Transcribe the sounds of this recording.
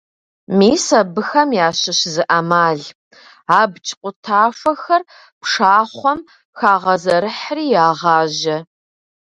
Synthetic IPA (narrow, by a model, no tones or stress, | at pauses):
miːsɐbɨxɐmjaːɕɪɕzɨʔɐmaːɮ | aːbt͡ʃʼqʷʼʊtʰaːfʷɐxɐr | pʂaːχʷɔm | xaːʁɐzɐɾɨħriːjaːʁɑːʑɐ